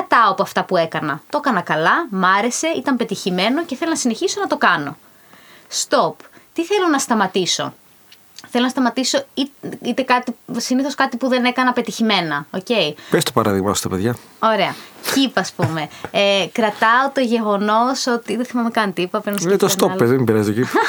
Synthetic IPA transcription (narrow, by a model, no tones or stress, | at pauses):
ɐt̪ɐopoɐft̪ɐpue̞kɐnɐt̪o̞kɐnɐkɐlɐmɐɾe̞se̞it̪ɐmpe̞t̪içime̞no̞ceθe̞lo̞nɐsine̞çiso̞nɐt̪o̞kɐno̞̰ | st̪o̞pt̪iθe̞lo̞nɐst̪ɐmɐt̪iso̞̰ | θelonɐst̪ɐmɐt̪iso̞iit̪e̞kɐt̪isiniθo̞skɐt̪ipuðe̞ne̞kɐnɐpe̞t̪içime̞nɐoce̞ipest̪opɐɾɐðiɣmɐost̪ɐpeðʝɐ | o̞ɾe̞ɐcipɐspume̞ekɾɐt̪ɐot̪o̞ʝe̞ɣo̞no̞so̞t̪iðeθimɐmekɐnt̪ipɐpeinɐset̪ost̪opezðemibeɾɐzit̪ocip